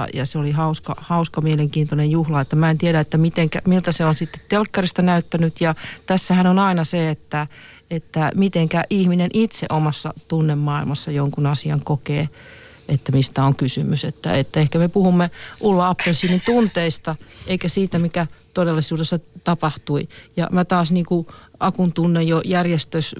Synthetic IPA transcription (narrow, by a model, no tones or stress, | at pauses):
jɑ̰seolihɑuskɑ̰hɑuskɑmieleŋkiːnt̪onejjuhlɑet̪ːæmæent̪ieɾæet̪ːæmit̪eŋkæ̰milt̪æseonsit̪ːe̥t̪telkːɑrist̪ɑnæyt̪ːænyt̪jɑt̪æsːæhænonɑinɑseet̪ːæ | et̪ːæmit̪eŋkæʔihminenʔit̪sḛʔomɑsːɑ̰t̪unːemmɑḭlmɑsːɑjoŋkunɑsiɑŋkokeː | et̪ːæmist̪æoŋkysymysḛt̪ːæ̰et̪ːæehkæmepuhumːeʔulːɑɑpːensiːnːint̪unt̪eist̪ɑʔeikæsiːt̪æmikæt̪odelːisuːdesːɑt̪ɑpɑht̪uijɑ̰mæt̪ɑːsniːkuɑkunt̪unːejjojærjest̪øs